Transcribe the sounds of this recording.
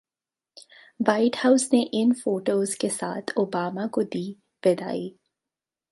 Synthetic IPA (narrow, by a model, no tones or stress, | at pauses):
ʋaɪʈhaʊsneʔɪnfoːʈoːzkesa̰ːt̪ʰoːbaːmakod̪iː | pɛd̪a̰ːiː